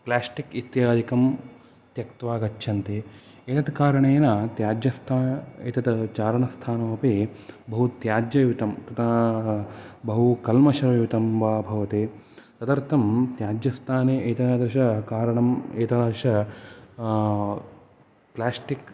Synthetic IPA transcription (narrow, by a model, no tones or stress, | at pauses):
plaːsʈikit̪jaːd̪ikɐm | t̪jɐkt̪ʋaːɡɐt͡ʃːʃʰɐnt̪eː | et̪ɐt̪kaːɾɐɳeːnɐt̪jaːd͡ʒjɐst̪ʰaːḛt̪ɐt̪t͡ʃaːɾɐɳɐst̪ʰaːnɐʋɐpebɐɦut̪jaːd͡ʒjɐjʋit̪ɐmk̪ɐt̪ʰɐ | bɐɦukɐlmɐʃɐɾɐjʋit̪ɐmʋaːbʱɐʋɐt̪eː | sɐd̪ɐɾt̪ʰɐmt̪jaːd͡ʒjɐst̪ʰaːneːʔɐt̪ɐaːd̪ɾɐʃɐkaːɾɐɳɐmeːt̪ɐʃɐ | plaːsʈik